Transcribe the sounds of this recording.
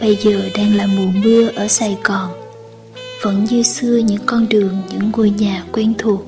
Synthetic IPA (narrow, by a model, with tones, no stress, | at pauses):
ɓə˧jzəː˨˩ɗɛː˧ŋlaː˨˩mu˨˩nmi˧əʔəː˧˩saː˧˩jɣɔ˨˩n | və̰˧˥nɲɨ˧sɨ˧əɲɨ̰˧˥ŋkɔ˧nɗɨ˨˩əŋɲɨ̰˧˥ŋːu˨˩jɲaː˨˩kwɛ˧nt̪ʰu˨˩ək̚